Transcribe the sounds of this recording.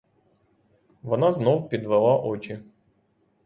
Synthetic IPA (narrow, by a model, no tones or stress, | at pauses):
vɔnaznowpʲɪd̪vɨlˠaʔot͡ɕɪ